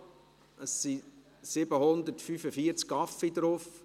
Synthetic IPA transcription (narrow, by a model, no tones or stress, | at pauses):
əsːi | sɪbəhʊnd̪əɾtfyfəfiəɾt͡skɑfid̪ɾof